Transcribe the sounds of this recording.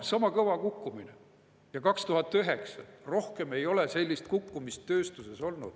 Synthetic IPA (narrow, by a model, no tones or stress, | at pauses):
sɑmɑkɤvɑkukːumine | jɑkɑkst̪uɦɑt̪ːˑyɦe̞ksɑro̞hke̞me̞jo̞le̞se̞lʲːist̪̚kukːumist̪ːø̞ːst̪use̞so̞lnṵd̪̥